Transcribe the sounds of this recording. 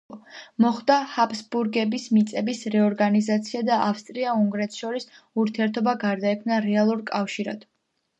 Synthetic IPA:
mɔχd̪ahapsbuɾɡɛbismit̪sʼɛbisɾɛɔɾɡanizat̪sʰiad̪aʔafst̪ʼɾiauŋɡɾɛt̪ʰʃɔɾis | uɾt̪ʰiɛɾt̪ʰɔbaɡaɾd̪aɛkʰmnaɾɛalˠuɾkʼafʃiɾa̰d̪̥

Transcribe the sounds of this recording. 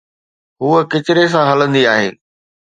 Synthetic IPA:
ɦuːəkɪt͡ɕɪɾes̬ãɦɐlə̃nd̪iaːɦḛː

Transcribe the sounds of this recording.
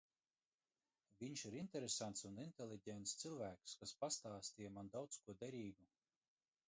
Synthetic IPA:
vʲiɲʃiɾint̪eɾesant̪sunint̪elʲˠiɟʲɛnt̪st̪silˠvæːkskaspast̪aːst̪ijamand̪awt̪skuɔd̪ɛɾiːɡu

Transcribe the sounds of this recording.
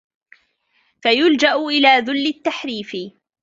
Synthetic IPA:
fajʊld͡ʒaʔʊʔɪlaːðʊlːɪt̪ːaħɾiːfɪ

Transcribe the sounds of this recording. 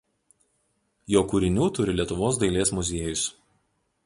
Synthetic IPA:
joːkʊɾʲɪnʲuːt̪ʊɾʲɪlʲiɛt̪ʊʋoːs̬d̪ɐɪlʲeːsmʊzʲeːjɔɪs

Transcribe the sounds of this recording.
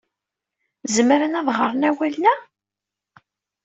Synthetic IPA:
zəmɾanæðʁəɾˤnæwælnæ

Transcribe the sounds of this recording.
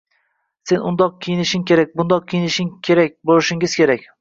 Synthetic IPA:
se̞nʔʊnd̪ɒq̚kʲʰijɪnɪʃɪŋkʲʰe̞ɾak̚ʲbʊnd̪ɒq̚kʲʰijɪnɪʃɪŋkʲʰe̞ɾak̚ʲbolˠɪʃɪŋɪz̥kʲʰe̞ɾakʲ

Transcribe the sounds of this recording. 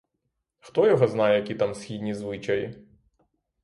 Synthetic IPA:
xt̪ɔjɐɣɔznajɛjɐkʲit̪amsʲxʲid̪ʲnʲizʋɪt͡ʃɐji

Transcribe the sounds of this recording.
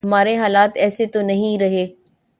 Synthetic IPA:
ɐmaːɾeɦaːlaːt̪ɛːset̪onɐɦĩɾɐɦeː

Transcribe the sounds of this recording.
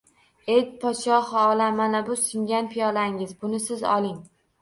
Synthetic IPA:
ejpʰɒʃɒhɒːlamanabʊsɪŋɡʲanpʰijɒlaŋɪzbʊnɪsɪzɒ̰lˠɪŋ

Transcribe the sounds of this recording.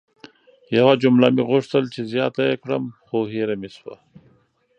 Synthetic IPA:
jawad͡ʒumlamiɣʊʂt̪əlt͡ʃezjɑːt̪ajekɽəmxoɦeɾamiswa̰

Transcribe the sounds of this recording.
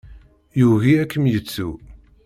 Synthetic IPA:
juɣiækːəmjət͡sːu

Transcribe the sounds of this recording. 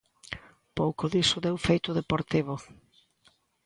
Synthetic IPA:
powkʊðisʊðewfejt̪ʊðepoɾt̪iβ̞ʊ

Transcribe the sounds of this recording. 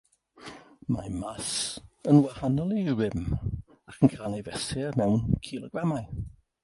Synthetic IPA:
ma̰jmasənwɛhanɔlˠiwɪm | akʰənkʰaːlnevɛsɛmɛwnkʰilˠɔɡramaj

